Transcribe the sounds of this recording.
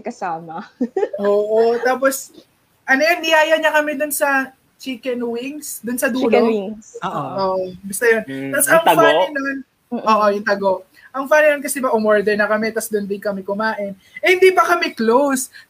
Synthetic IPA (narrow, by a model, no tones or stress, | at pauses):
kɐsaːmɐʔoːʔot̪aːpos | ʔɐnojonːɪjaːjɐɲɐkɐmɛd̪ʊnsɐ | t͡ʃiːkɛnwiŋsd̪ʊnsɐd̪uːlo | ʔoːʔombɪst̪ojont̪ɐsɐŋfanɪnon | ʔoːʔojʊnt̪ɐɡo | ʔɐŋfanɪnonk̬ɐsɛbɐʔʊmɛɹd̪ɛɹnɐkɐmɛt̪ɐsd̪ʊnd̪ɪnkɐmɛkʊmaːʔɪn | ʔɛhɪnd̪iːpɐkɐmɛklows